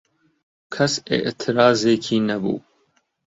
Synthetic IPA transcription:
kʰɐsɪ̰ʔt̪ʰɪɾaːzeːkʰiːnɐbṵː

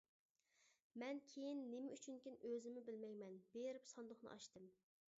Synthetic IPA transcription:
mɛnkʲʰejinːemɪyt͡ʃʰynkʲinøzɪmɪbɪlmɛjmɛnbeɾɪpsɑnd̪ʊχnɨ̰ʔɑʃt̪ɨm

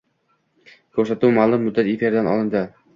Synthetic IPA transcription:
kʰɵɾsat̪uwmalˠʊmːʊd̪ːat̪efeɾd̪anɒ̰lˠɪnd̪ɪ

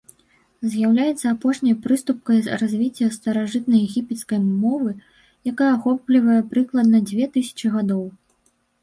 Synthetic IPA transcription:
zʲjawlʲajɛt̪sːɐapɔʂnʲɐjpɾɨst̪up̚kɐjzrazʲvʲit͡sʲːɐst̪ɐɾaʐɨt̪̚nɐjɛɣʲipʲɛt̪skɐjmɔvɨ | jakajɐaxɔplʲivɐjɛpɾɨklˠɐd̪̚nɐd͡zʲvʲɛt̪ɨsʲɐ̥t͡ʂɨɣad̪ɔw

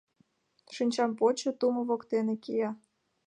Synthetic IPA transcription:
ʃinʲt͡ɕɑmpot͡ɕɤ̆t̪umŏβokt̪enekijɑ

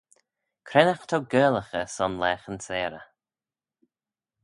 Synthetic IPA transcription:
kʰɾɛnaxt̪ʰɔwɡɜːlˠəxəsɔnlɛːxənsɛːɾə

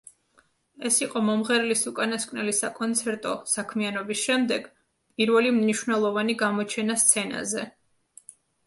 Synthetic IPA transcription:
ɛsiqʼɔmɔmʁɛɾlisukʼanaskʼvnɛlisakʼɔnt̪sʰɛɾt̪ʼɔsakʰmianɔbisʃɛmd̪ɛɡ̥ | pʼiɾvɛlimniʃwnɛlˠɔvaniɡamɔt͡ʃʰɛnast̪sʰɛna̰zɛ

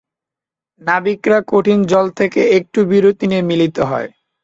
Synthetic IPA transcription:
nabikɾakoʈʰind͡ʑɔlt̪ʰekeek̚ʈubiɾot̪inemilit̪oɦɔ̰e

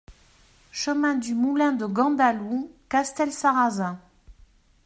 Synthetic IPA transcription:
ʃəmɛ̃d̪ymulɛ̃d̪əɡɑ̃d̪alukast̪ɛlsaʁazɛ̃

